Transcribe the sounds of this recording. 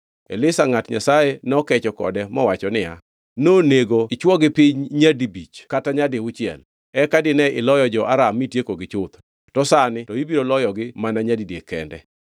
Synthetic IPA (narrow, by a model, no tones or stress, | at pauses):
ḛlɪsaŋatɲa̰sajenɔkɛt͡ʃɔkɔ̰dɛmɔwat͡ʃɔnɪja̰ | noneɡoɪt͡ʃwɔɡɪpɪɲɲadibit͡ʃkataɲadɪʊt͡ʃjɛ̰l | ɛkadɪnɛʔɪlɔjɔd͡ʒɔʔaɾamitjekoɡɪt͡ʃʊt̪ | tɔsanɪtɔibiɾolɔjɔɡɪmanaɲadidjekɛ̰ndɛ̰